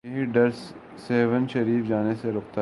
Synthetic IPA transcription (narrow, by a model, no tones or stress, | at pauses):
ɐɦiɖɐɾsː | eːʋənʃɐɾiːfd͡ʒaːneseɾʊːk̚t̪a